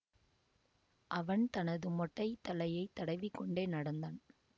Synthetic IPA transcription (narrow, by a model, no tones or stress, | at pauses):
ʔɐʋɐnt̪ɐnɐðɯmɔʈːɐɪt̪ːɐlɐjɐɪt̪ːɐɽɐɪʋɪkːɔɳɖeːnɐɽɐnd̪aːn